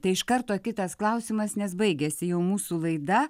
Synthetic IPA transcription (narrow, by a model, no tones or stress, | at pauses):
t̪ɐɪɪʃkɐɾt̪oːkʲɪt̪ɐsklˠɐʊsʲɪmɐsnʲɛsbɐɪɡʲɛsʲɪjɛʊmuːsuːlˠɐɪd̪ɐ